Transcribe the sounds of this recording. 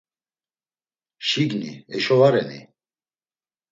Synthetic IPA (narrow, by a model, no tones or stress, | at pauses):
ʃiɡnḭɛʃɔvaɾɛ̰nḭ